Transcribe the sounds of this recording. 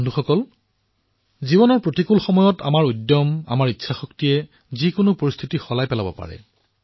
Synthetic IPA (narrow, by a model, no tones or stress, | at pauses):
ndʱuxɔkɔl | zibɔnɔɹpɹotikulxɔmɔjɔta̰maɹujdjɔma̰maɹitːʃʰaxɔktijɛ | zikʊnʊpoɹist̪ʰitixɔlajpɛlabɔ̰pa̰ɹɛ̰